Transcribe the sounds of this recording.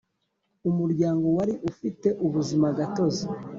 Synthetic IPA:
umuɾɟaːŋɡo̞waɾiʔufite̞ʔuβuzimaɡato̞zi

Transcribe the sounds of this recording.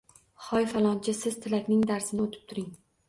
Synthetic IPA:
χɒjfalˠɒnt͡ʃʰɪsɪzt̪ʰɪlakʲnɪŋd̪aɾsɪnɪot̪ʰɪ̥p̚t̪ʰʊɾɪŋ

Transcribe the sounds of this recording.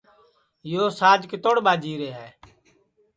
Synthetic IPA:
joːsaːd͡ʒkt̪oɽɓaːd͡ʒiːɾeːɦɛː

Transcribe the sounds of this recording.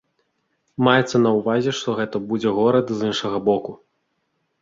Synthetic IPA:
majɛt̪sːɐnɐwvazʲɛʂt̪ɔɣɛt̪ɐbud͡zʲɛɣɔɾɐd̪zɨnʂɐɣɐbɔku

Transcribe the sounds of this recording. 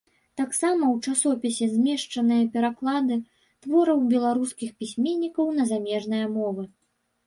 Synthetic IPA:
t̪aksamɐwt͡ʂasɔpʲɛsʲɛzʲmʲɛʂt͡ʂɐnɨjɐpʲɛɾaklˠad̪ɨ | t̪vɔɾɐwbʲɛlˠaɾuskʲixpʲisʲmʲenʲːikɐwnɐzamʲɛʐnɨjɐmɔvɨ

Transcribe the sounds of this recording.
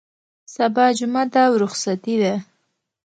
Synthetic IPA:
sabɑd͡ʒʊmad̪awɾʊxsat̪id̪a

